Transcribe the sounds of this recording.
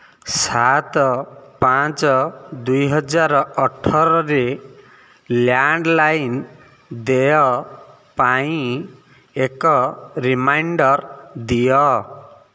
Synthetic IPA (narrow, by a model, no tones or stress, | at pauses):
sat̪pãt͡sɔd̪ujɦʌd͡zaɾɔʈʰːɔɾɔɾe | ljaɳɖlajn | d̪ejɔ | paĩ | ekɔɾimajɳɖʌɾd̪ijɔ